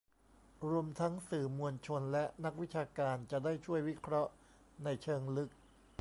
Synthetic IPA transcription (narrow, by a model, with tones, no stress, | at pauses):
ɾu˧əmt̪ʰa˦˥ŋsɯː˨˩mu˧ənt͡ɕʰo˧nlɛ˦˥ʔna˦˥k̚wi˦˥t͡ɕʰaː˧kaː˧nt͡ɕa˨˩ʔdaː˥˩jt͡ɕʰu˥˩əjwi˦˥kʰɾɔ˦˥ʔ | na˧jt͡ɕʰɤː˧ŋlɯ˦˥k̚